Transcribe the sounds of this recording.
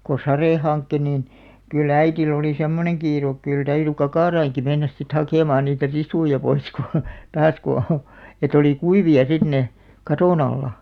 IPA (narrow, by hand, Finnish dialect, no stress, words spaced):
ko sɑreˑ hɑnkːe niːn kyl æitil oliˑ semːoneŋ kiːruk kyl tæyry kɑkɑˑrɑiŋki menːæs sit hɑkeˑmɑːn niːtæ risujɑ pois ku tɑːs ku et oliˑ kuiʋiɑ sit ne kɑtoˑn ɑlːɑ